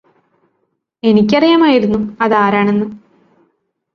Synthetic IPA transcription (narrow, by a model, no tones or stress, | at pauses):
e̞nikʲːɐrijɐmaːjiɾunːuɐðaːɾaːɳe̞nːɨ